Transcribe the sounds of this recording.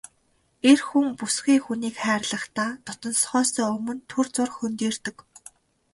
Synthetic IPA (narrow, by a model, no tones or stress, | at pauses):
erxuŋpusɡiːxuniːkχæːrɮə̆χt̪aːt̪ʰʊt̪ɞ̆nsχɔːsœːɵmɵ̆nt̪ʰurt͡sʊrxɵnt̪iːrt̪ɵ̆k